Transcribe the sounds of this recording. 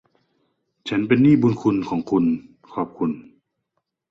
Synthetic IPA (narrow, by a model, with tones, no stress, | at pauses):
t͡ɕʰa˦˥np̬e˧nːiː˥˩buː˧nkʰu˧nkʰɔː˩˦ŋkʰu˧n | kʰɔː˧˨˩p̚kʰu˧n